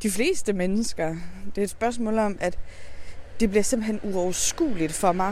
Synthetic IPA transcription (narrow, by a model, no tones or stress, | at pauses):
d̥ifle̝̰ːsd̥əmenəsɡ̥ɐd̥e̝ɐed̥sb̥ɶɐsmɔ̰̽ːlɒ̽mʔæd̥ | d̥e̝b̥liɐse̝m̰̥l̩ɦenuɒʊɐsɡ̥ṵːlid̥fɒ̽mɑ̈ɪ